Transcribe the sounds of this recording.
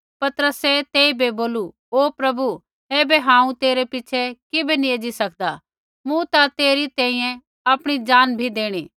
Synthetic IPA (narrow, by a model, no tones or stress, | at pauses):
pɐt̪əɾəset̪eːibʱeboːlu | oːpɾɐbu | eːbeɦãːũt̪eːɾepɪt͡ʃʰɛkɪbenĩeːd͡ʒisɐkʰd̪a | mũt̪at̪eːɾit̪ɛ̃ːĩːjɛ̃ | ɐpɽ̃id͡ʒaːnbʱid̪eːɽ̃iː